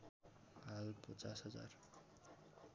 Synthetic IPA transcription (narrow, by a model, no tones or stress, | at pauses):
ɦalpʌt͡sasɦʌd͡za̰r